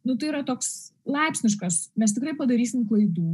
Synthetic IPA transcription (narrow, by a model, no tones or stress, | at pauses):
nʊt̪ɐɪiːɾɐt̪oːkslˠɐɪpʲsʲnʲɪʃkɐsmʲɛst̪ʲɪkɾɐɪpɐd̪ɐɾʲiːsʲɪmklˠɐɪd̪uː